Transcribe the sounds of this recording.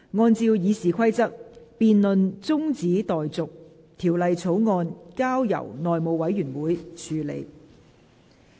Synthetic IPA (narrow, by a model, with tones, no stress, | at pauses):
ŋɔː˧nt͡siː˧wjiː˨˧siː˨kʰɐ˥jt͡sɐ˥k̚piː˧nlɵ˨˧nt͡sʊ˥ŋt͡siː˨˥t̪ɔː˨jt͡sʊ˨k̚ | t̪ʰiː˨˩wlɐ˨˧jt͡sʰo˨˥wŋɔː˧nkaː˥wjɐ̰˨˩wnɔː˨jmo˨˧wɐ˨˥jyː˨˩nwuː˨˥jt͡ʃʰyː˨˧lḛ˨˧˩j